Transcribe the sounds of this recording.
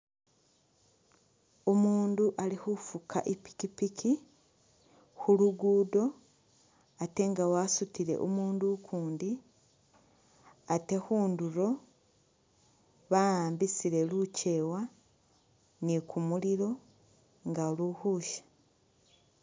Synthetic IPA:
omuːnduʔalihufukʰa̰ʔipi̥kipikʰi | xuluɡuːdo̞ | ate̞ŋɡawasutiɾe̞̰ʔo̰muːndukʰuːndi | ate̞xuːnduɾo̞ | βaaːmbisiɾe̞luce̞wa | nikʰumuliɾo̞ | ŋɡaoluhuːʃḁ

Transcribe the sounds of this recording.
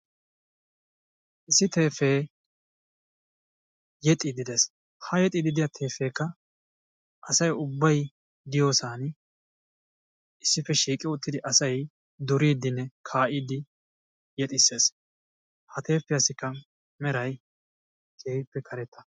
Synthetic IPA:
ʔɪsːɪt̪e̞ːfeː | jɛt̪ʼɪd̪ɪd̪ɛs | hɐjɛt̪ʼɪd̪ɪd̪ɪjɐt̪ʰeːfe̞ːkːɐ | ʔɐsɐjʊbːɐj | d̪ɪjo̞ːsaːn | ɪsːɪfɛʃiːkʼɪʊt̪ːɪd̪ɪʔɐsɐj | d̪ʊɾiːd̪ɪnːɛkʰaːʔiːd̪ɪ | jɛt̪ʼɪsːe̞ːs | hɐt̪e̞ːfːɪjɐsɪkːɐ | mɛɾɐj | t̪ʰeːpːɛkʰɐɾɛt̪ʰːɐ̥

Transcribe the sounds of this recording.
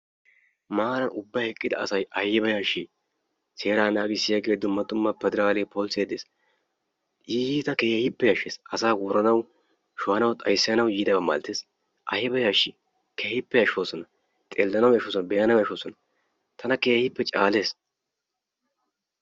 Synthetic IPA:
maːɾɐnʊbːɐjhɛkʼːɪd̪ɐ̰ɐsɐjʔɐjɪbɐjaːʃiː | se̞ːɾaːnaːɡɪsːɪjɐɡeːd̪ʊmːɐt̪ʊmːɐpɛd̪ɛɾaːleːpʰoːlsjɛːd̪eːs | ʔiːiːt̪ɐkeːɛhɪpːɛjɐʃːeːsɐsaːɡɔɾɐnɐw | ʃʊhɐnɐwt̪ʼɐjsːɪjɐnɐwjiːd̪ɐbɐma̰ːlt̪ːeːs | ʔɐ̰jɪbɐjaːʃːi | kʰehɪpːɛjɐʃwoːsɔnɐ | t̪ʼelːɐnɐwjɐʃoːsɔnbɛjɐnɐwjɐʃoːsɔnɐ | t̪ʰɐnɐkeːhhɪpːɛt͡ʃʼaːle̞ːs

